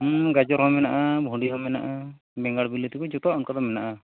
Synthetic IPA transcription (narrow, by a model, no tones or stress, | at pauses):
ɡad͡ʒɔɾɦɔmɛnaʔabʱuɳɖiɦɔmɛna̰ʔa | bɛŋɡaɽbilit̪ikɔd͡ʒɔt̪ɔaʔɔnkad̪ɔmɛnaʔa